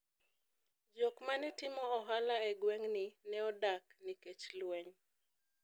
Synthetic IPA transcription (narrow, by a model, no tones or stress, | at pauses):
d͡ʒokmanɛtɪmɔɔɦalaɛɡweŋnɪnɛɔdakniket͡ʃlweɲ